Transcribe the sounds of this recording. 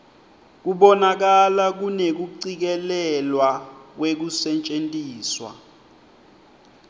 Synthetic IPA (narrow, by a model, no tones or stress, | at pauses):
k̬uɓɔnak̬alak̬unek̬uǀik̬ɛlɛlwak̬wek̬usɛnt͡ʃʼentʼiːswa̰